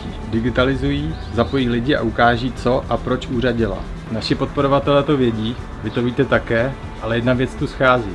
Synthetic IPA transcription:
dɪɡɪt̪alɪzujiː | zapo̞jiːlɪɟɪʔa̰ʔukaːʒiːt͡so̞ʔapɾo̞t͡ʃʔuːraɟɪla̰ | naʃɪpo̞t̪̚po̞ɾo̞vat̪ɛlɛːt̪o̞vjɛɟiː | vɪt̪oviːt̪ɛt̪akɛː | ʔalɛjɛdnavjɛt͡st̪usxaːzḭː

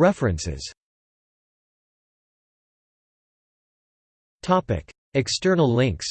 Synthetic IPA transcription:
ɹɛfɹɨ̃nsɪ̰z̥ | tʰɑpɪ̰k | ɨkstɜ˞nl̩ˠlɪ̃ŋks

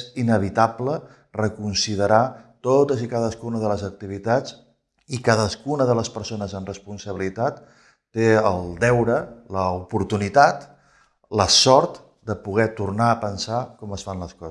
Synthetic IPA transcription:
inəβ̞it̪ablə | rəkunsiðəɾat̪ot̪əzikaðəskunəðələzək̚t̪iβ̞it̪at͡s | ikaðəskunəðələspəɾsonəzəmrəspunsəβilit̪at̪ː | eəlˠd̪ɛwɾələupuɾt̪unit̪at̪ | ləsɔɾt̪ | d̪əpuɣ̞ɛt̪urnaəpənsakɔməsfanləskɔ

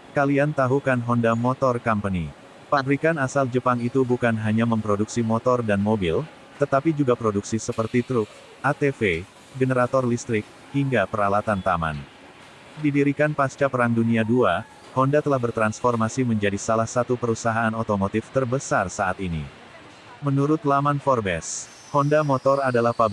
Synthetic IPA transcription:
kaliant̪aɦukanɦɔndamɔt̪ɔrkampəni | padɾikanasald͡ʒəpaŋit̪ubukanɦaɲaməmpɾoduksimɔt̪ɔrdanmobɪl | t̪ət̪apid͡ʒuɡapɾoduksisəpərt̪it̪ɾʊk̚ | ʔat̪efe | ɡənəɾat̪ɔrlist̪ɾɪk̚ | hiŋɡapəɾalat̪ant̪ama̰n | didiɾikanpast͡ʃapəɾaŋduniadua | hɔndat̪əlahbərt̪ɾansfɔrmasiməɲd͡ʒadisalahsat̪upəɾusaɦaːnot̪omot̪ɪft̪ərbəsarsaʔat̪inḭ | mənuɾʊt̪lamanfɔrbɛs | hɔndamɔt̪ɔradalahpab

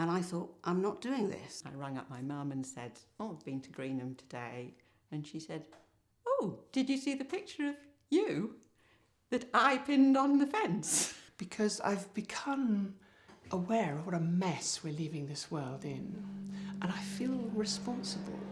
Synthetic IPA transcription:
ə̃naɪθɔɾʔãɪ̃mnət̚d̥ʉɪ̃ŋðɪ̰saɪɹʌ̃ŋʌ̰p̚maɪmɑ̃mɨ̃nsɛ̰daləvbɨ̃ntʰɨɡɹĩnɨ̃mtʰɨdeɪ | ɨ̃nʃisɛd | oʊd̥ɨd͡ʒɨsiðɨpʰɪk̚t͡ʃə˞ʌv | jɨ | ðɨɾaɪpʰɪ̃ndn̩ðɨfɛ̃nsb̥ɨkʰʌza̰ɪvbɨkʰʌ̃m | ʔəwɛɹʌvwʌɾəmɛswə˞livɪ̃ŋðɪswɜ˞lˠdɪ̃nʔə̃ñaɪfilˠɹɨspɑ̃nsəb̰l̩ˠ

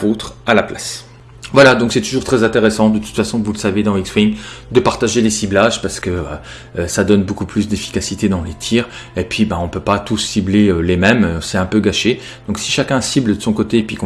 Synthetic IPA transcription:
ot̪χalaplas | vwalad̪ɔ̃ksɛt̪uʒuʁt̪χɛzɛ̃t̪eʁesɑ̃d̪ət̪u̥t̪fasɔ̃vuləsaved̪ɑ̃ikswiŋɡd̪əpaʁt̪aʒelesiblaʒpaʁsə̥kəa | øsad̪ɔnbokuplysd̪efi̥kasit̪ed̪ɑ̃let̪ʰiʁepɥibɛɔ̃pøpat̪usːibleølemɛmsɛɛ̃pøɡaʃe | d̪̥ɔ̃ksiʃakʲɛ̃sibld̪əsɔ̃kot̪epɥikɔ̃

